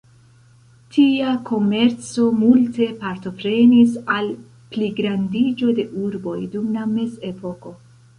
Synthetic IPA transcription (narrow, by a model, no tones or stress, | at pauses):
tʰiakʰo̞me̞ɾt͡so̞multe̞paɾto̞pɾe̞nisal | pliɡɾandid͡ʒo̞de̞ʔuɾbo̞jdumlame̞se̞po̞ko̞